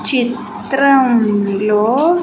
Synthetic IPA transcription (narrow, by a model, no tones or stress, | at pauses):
t͡ʃit̪ | ɾɐmloː